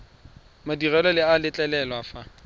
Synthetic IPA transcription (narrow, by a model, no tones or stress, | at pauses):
madirɛlɔlɪalɪt͡ɬʼɛlɛlwafa